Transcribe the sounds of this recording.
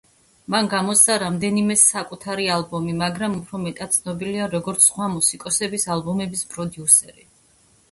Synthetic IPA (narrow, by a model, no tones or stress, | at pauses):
manɡamɔt̪st̪ʰaɾamd̪ɛnimɛsakʼut̪ʰaɾialbɔmimaɡɾamupʰɾɔmɛt̪ʼat̪̚t̪sʰnɔbiliaɾɔɡɔɾt̪sʰsχwamusikʼɔsɛbisalbɔmɛbispʼɾɔd̪iusɛɾi